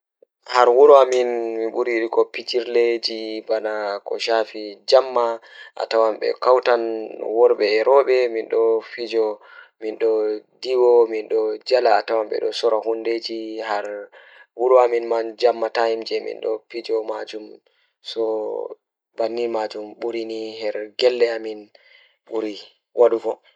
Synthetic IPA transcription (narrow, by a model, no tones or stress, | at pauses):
haɾwuɾuaminmiɓuɾiɗikɔpid͡ʒiɾled͡ʒibanakɔ̰ʃafid͡ʒamːa | ʔa̰tawamɓɛ̰kawtanwɔɾɓɛːɾɔɓɛminɗɔfid͡ʒɔminɗɔdiwɔminɗɔd͡ʒalaːtawamɓɛ̰ɗɔsɔɾahunded͡ʒiɦaɾ | wuɾuaminmand͡ʒamːatahimd͡ʒɛmḭnɗɔ̰fid͡ʒɔmad͡ʒum | sɔ | banːimad͡ʒumɓuɾinihɛɾɡɛlːɛamin | ɓuɾi | wʔaɗuɡɔ